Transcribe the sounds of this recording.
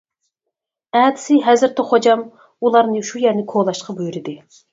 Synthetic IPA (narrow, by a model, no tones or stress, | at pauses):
ɛːd̪ɪ̥sɪɦɛzɪɾt̪ʰɛχod͡ʒɑm | ulˠɑɾnɨʃujæɾnɪkʰolˠɑʃqɑbujuɾɪd̪ɪ